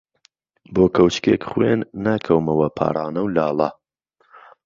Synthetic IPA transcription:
boːkʰɐwt͡ʃkeːkχwenːaːkʰɐwmɐwɐpʰa̰ːɾˤɑːnɐwlaːlˠɐ

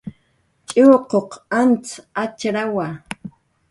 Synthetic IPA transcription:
t͡ʃʼɪwqoqant͡sat͡ʃɾawa

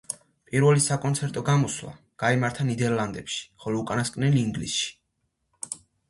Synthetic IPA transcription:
pʼiɾvɛlisakʼɔnt̪sʰɛɾt̪ʼɔɡamɔswla̰ | ɡ̥aimaɾt̪ʰanid̪ɛɾlˠand̪ɛpʃi̥χɔlɔukʼanaskʼnɛliːŋɡlisʃi̥

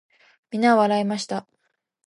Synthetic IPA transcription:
mʲinaβaɾaimaɕi̥t̪a

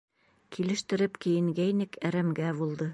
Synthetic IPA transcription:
kʰilɘ̆ʃt̪ɘ̆ɾɘpkɘ̆jɘ̆ŋɡæjnɘkʰæɾæmɡæβulˠd̪ɤ

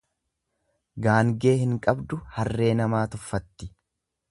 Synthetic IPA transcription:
ɡaːŋɡe̞ːhɪŋkʼɐbd̪ʊhɐrːe̞ːnɐmaːt̪ʊfːɐt̪ːɪ

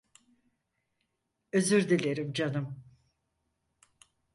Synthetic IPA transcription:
øzyɾd̪ilʲeɾimd͡ʒanɯm

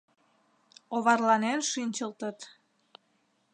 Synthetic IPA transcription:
oβɑrlɑnenʃinʲt͡ɕəlt̪ət̪

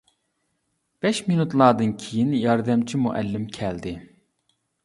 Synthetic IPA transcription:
b̥ɛʃminut̪lˠɑːd̪ɯnkʲʰijinjɑɾd̪ɛmt͡ʃʰimuʔɛ̰lːɪmkʲʰɛld̪ɪ

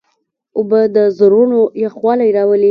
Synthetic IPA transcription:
ʊbəd̪əzoɾunojaxxwɑlajɾɑwəli

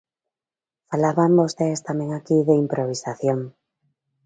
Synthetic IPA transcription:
falaβambost̪eest̪amẽŋakiðeimpɾoβ̞isaθjoŋ

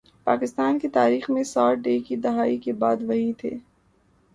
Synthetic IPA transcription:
pa̰ːkɪst̪aːnkit̪aːɾiːxmẽsaːʈɖeːkid̪ɐɦaːikebaːd̪ʋɐɦĩt̪ʰḛː

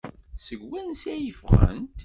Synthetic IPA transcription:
səɡwænsæjəfʁə̰nt̪

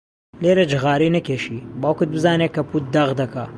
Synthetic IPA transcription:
leːɾɐd͡ʒɨɣaːɾinɐkeːʃibaːwkɨd̪̚bɨzaːnekɐput̪̚d̪ɐɣd̪ɐkʰa

